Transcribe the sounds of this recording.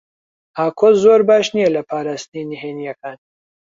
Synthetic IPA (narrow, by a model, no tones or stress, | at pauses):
aːkʰozoɾbaːʃnijɛlɐpʰaːɾaːst̪niniɦeːnijɐkaːn